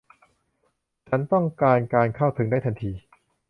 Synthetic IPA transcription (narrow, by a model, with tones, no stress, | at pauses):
t͡ɕʰa˦˥nt̪ɔ˥˩ŋkaː˧nkaː˧nkʰa˥˩wt̪ʰɯ˩˦ŋdaː˥˩jt̪ʰa˧nt̪ʰiː˧